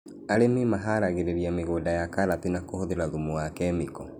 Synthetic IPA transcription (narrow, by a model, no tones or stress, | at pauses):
aɾememaɦaɾaɣeɾeɾiameɣoːdajakaɾatinakohoðeɾaðumoakɛmikɔ